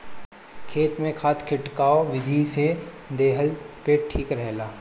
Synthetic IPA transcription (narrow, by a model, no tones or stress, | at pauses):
kʰeːt̪mẽkʰaːt̪ʰkʰɪʈkaːoʋɪd̪ʱise | d̪eːɦəlpeʈʰiːkɾɛɦlaː